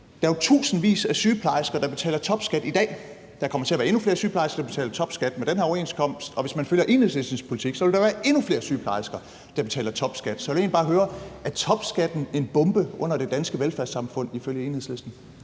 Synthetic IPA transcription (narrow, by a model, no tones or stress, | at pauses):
d̥ɑæt͡sʰṵːsn̩ʋḭːsæsyːpʰlɑ̈ɪsɡ̥ɐd̥ɑ̈b̥e̝t͡sʰɛ̰ːlɐt͡sʰɒ̽b̥sɡ̥æd̥id̥ɛ̰ː | d̥ɑ̈kʰɒ̽mɐt͡sʰe̝ɐʋæːɐe̝nufle̝ɐsyːpʰlɑ̈ɪsɡɐd̥ɑbe̝t͡sʰɛ̰ːlɐt͡sʰɒ̽b̥sɡ̥æd̥mend̥enɦæɐɒe̝̰nskʰɒ̽m̰sd̥ɒ̽ʋe̝smænføljɐʔe̝ːnheðˠsle̝sd̥n̩spʰo̝lit͡sʰiɡ̥sɒʋe̝ld̥ɑ̈ʋæːɐe̝nufle̝ːɐsyːpʰlɑ̈ɪ̰sɡ̥ɐ | d̥ɑ̈b̥e̝t͡sʰɛ̰ːlɐt͡sʰɒ̽b̥sɡ̥æd̥sɒ̽ʋe̝lje̝̰ːnb̥ɑːɦøːɐʔæt͡sʰɒ̽b̥sɡ̥æd̥n̩e̝nb̥ɔ̽mb̥əʔɔ̽n̰ɐd̥e̝d̥ænsɡ̥əʋelfæɐ̰sɑ̈mfɔ̽n̰iføljəe̝ːnheð̩̰ˠsle̝sd̥n̩